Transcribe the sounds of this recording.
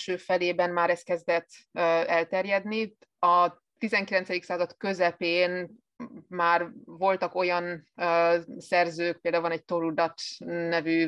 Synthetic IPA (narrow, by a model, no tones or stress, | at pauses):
ʃøːfɛleːbɛnmaːɾɛst̪̚kɛzd̪ɛt̪ːøɛlt̪ɛrjɛd̪ni | ɒ | t̪izɛŋkilɛnt̪sɛd̪iksaːzɒt̪kø̞zɛpeːn | maːrvo̞lt̪ɒko̞jɒnøsɛrzøːk̚peːld̪auvɒnɛɟ̚t̪oɾud̪ɒt̪nɛvy